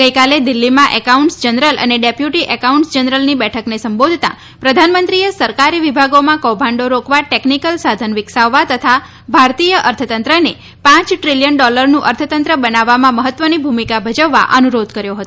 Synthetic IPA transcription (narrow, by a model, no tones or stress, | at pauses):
ɡəjkaled̪ɪlːimãʔəkauɳʈsd͡ʒənɾəlʔə̰neɖepjuʈiʔəkauɳʈsd͡ʒənɾəlnibɛʈʰəknesəmbod̪ʱt̪a̰ | pɾəd̪ʱanmənt̪ɾiesəɾkaɾiʋibʱaɡomãkɔbʱãɳɖoɾokʋaʈeknikəlsad̪ʱənʋɪksaʋːat̪ət̪ʰa | bʱaɾt̪ijəʔəɾt̪ʰət̪ənt̪ɾəne | pãt͡ʃʈɾiljəɳɖɔləɾnũʔəɾt̪ʰət̪ənt̪ɾəbənaʋːamãməɦət̪ʋənibʱumikabʱəd͡ʒəʋːa̰ʔənuɾod̪ʱkəɾjoɦət̪o